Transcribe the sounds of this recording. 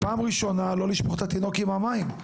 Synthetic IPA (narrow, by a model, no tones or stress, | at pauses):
paːmʁiʃo̞nalo̞liʃmoχt̪at̪ino̞kimhamaim